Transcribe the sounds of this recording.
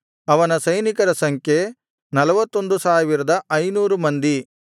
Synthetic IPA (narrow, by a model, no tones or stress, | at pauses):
ɐʋɐnɐsɐjnikɐɾɐsɐŋkʰje | nɐlɐʋɐt̪ːo̞nd̪usaːʋiɾɐd̪ɐʔɐjnuːɾumɐnd̪i